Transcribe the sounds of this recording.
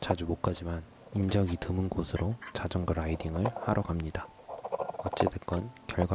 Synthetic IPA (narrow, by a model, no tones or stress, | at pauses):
t͡ɕad͡ʑumok̚k͈ad͡ʑiman | ind͡ʑʌɡitɯmɯnɡosʰɯɾot͡ɕad͡ʑʌŋɡɯɾaidiŋɯɭhaɾʔʌɡamɲida | ʌt͡ɕ͈edek͈ʌnkjʌɭɡw